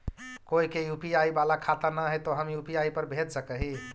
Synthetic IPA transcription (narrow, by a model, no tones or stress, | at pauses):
koikejupiaibalakʰat̪ənaɦət̪oɦəmjupiaipəɾbʱet̪səkəɦi